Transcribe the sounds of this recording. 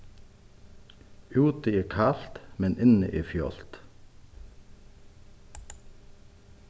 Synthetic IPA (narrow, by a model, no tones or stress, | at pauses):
ʉːt̪əeːkʰɑːlt̪mɛnʔɪnə̰ʔeːfjo̰ːlt̪